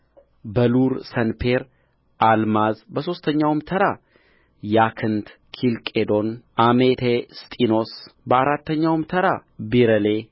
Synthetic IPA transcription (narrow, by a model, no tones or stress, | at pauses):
bəluɾsənpʰeɾ | ʔalmazbəso̞st̪ʰəɲːawmt̪ʰəɾa | jakʰɨnt̪ | kʰilkʼed̪o̞nʔamet̪ʰest̪ʼino̞sbəaɾat̪ːəɲːawmt̪ʰəɾabiɾəle